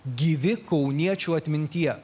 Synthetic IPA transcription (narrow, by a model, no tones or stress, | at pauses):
ɡʲiːʋʲɪkɒʊnʲiɛt͡ʃʲuːɐt̪ʲmʲɪnʲt̪ʲiɛ